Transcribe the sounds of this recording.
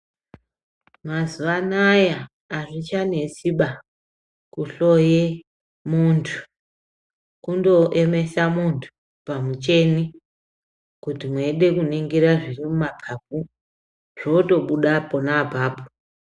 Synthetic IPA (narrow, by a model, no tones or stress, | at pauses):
mazuʋanajaː | ʐit͡ʃane̞siɓa | kuɬo̞je | muntʰu̥ | kundo̞ʔeme̞samuntʰu̥ | pamut͡ʃe̞ni | kutimweiɗe̞kuniŋɡiɾaʐirimumapʰap̚u | ʐ̥o̞to̞ɓuɗaponapaːpo̥